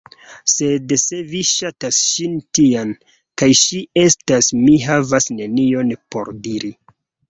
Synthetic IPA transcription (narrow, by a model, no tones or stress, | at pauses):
se̞dse̞viʃatasʃintiam | kajʃie̞stasmiɦavasne̞nio̞npo̞̰ɾdiɾi